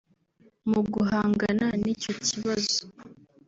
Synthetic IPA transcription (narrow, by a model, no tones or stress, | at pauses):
muɡuɦaːŋɡananico̞ciβazo